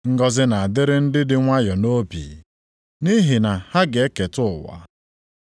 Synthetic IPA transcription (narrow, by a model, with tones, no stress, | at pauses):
ŋ̩˦ɡɔ˦zɪ˦na˨a˨dɪ˦ɾɪ˦n̩˦dɪ˦dɪ˦ŋʷa˦jɔ˨no˦bḭ˨ | ni˦ɦɪ˨na˨ha˦ɡe˨˦e˦ke˨tʊ˦˨wa̰˨